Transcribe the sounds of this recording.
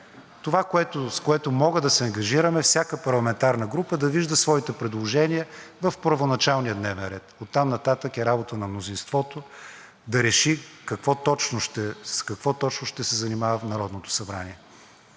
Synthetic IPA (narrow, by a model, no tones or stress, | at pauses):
t̪ovakoɛt̪ʊskoɛt̪ʊmɔɡəd̪ɐsɛɐŋɡɐʒiɾəmɛfsʲjakəpɐɾlˠɐmɛnt̪aɾnəɡɾupəd̪ɐviʒd̪ɐsvɔit̪ɛpɾɛd̪lˠoʒɛniəvɐfpəɾvonɐt͡ʃalˠnijəd̪nɛvɛnɾɛt̪ot̪ːamnɐt̪at̪əkɛɾabot̪ənɐmnozinst̪vɔt̪o | d̪ɐɾɛʃikɐkvɔt̪ɔt͡ʃnoʃt̪ɛskɐkvɔt̪ɔt͡ʃnʊʃt̪ɛsɛzɐnimavɐfnɐɾɔd̪not̪o̥sɐbɾaniɛ